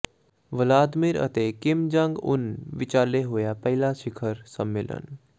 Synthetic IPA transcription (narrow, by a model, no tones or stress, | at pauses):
ʋəlaːd̪mɪɾə̰t̪eːkɪmd͡ʒəŋɡʊ̰nʋɪt͡ʃaːleɦoːjaːpɛɦilaːʃɪkʰəɾsəmːɪlə̰n